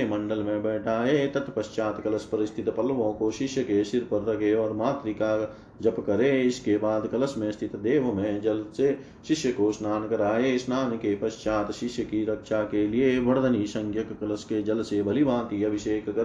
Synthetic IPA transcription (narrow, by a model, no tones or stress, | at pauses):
emɐ̃ɳɖəlmẽbɛːʈʰaːet̪ɐt̪pɐʃt͡ʃaːt̪kɐləspɐɾɪst̪ʰɪt̪pɐlʋõkoʃɪʃjəkeʃɪɾpəɾt̪ɐkeɔːɾmaːt̪ɾika | d͡ʒɐpkɐɾeɪskebaːd̪kɐləsmẽst̪ʰɪt̪d̪eːʋmẽd͡ʒɐlse | ʃɪʃjəkosnaːnkɐɾaːesnaːnkepɐʃt͡ʃaːt̪ʃɪʃjəkiɾɐkʃakelieʋɐɽd̪ənisɐ̃ŋɡʰjəkkɐləsked͡ʒɐlsebʱɐlibãːt̪iɐbʱɪʃeːkkɐɾ